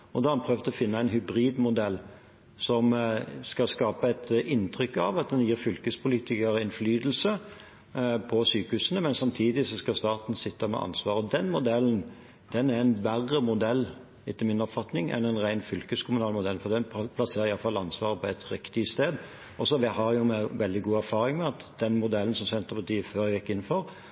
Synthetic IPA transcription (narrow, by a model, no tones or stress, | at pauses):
ɔd̪ɑhɑɑnpʰɾøːʋt̪ʰɔfɪnːəæɪnɦʉbɾiːd̪mʊd̪ɛlː | sɔmskɑskɑːpəɛɪt̪ɪnt̪ʰɾʏkːɑ̰ʋɑt̪̚d̪ɛnjiːɾfʏlkəspʰʊliːt̪ɪkəɾɛnflyːd̪l̩sə | pʰɔsyːkəhʉːsənəmɛnsɑmt̪ʰiːd̪ɪsɔskɑst̪ɑːt̪n̩sɪt̪ːəmɛ̰ʔɑ̰nsʋɑːɾɔd̪ɛnmʊd̪ɛlːn̩ | d̪̥ɛnæɾɛnʋæʁːəmʊd̪ɛlː | ɪt̪ːəmɪnɔpfɑt̪nɪŋɛ̰nænʁæɪnfʏlkəskʰʊmʊnɑːlmʊd̪ɛlːfɔɾd̪ɛnpʰlɑseːɾəɾɪjɑlfɑlːɑnsʋɑːʁəpʰɔɛt̪ɾɪkt̪ɪst̪eːd̪ | ɔsɔʋɪhɑɾjʊmɛʋɛld̪ɪɡuːæɾfɑːɾɪŋmɛɑt̪d̪̥ɛnmʊd̪ɛlːn̩sɔmsɛnt̪əʁpɑt̪ʰiːəføːɾjɛɡjɛkːɪn̩ːfɔɾ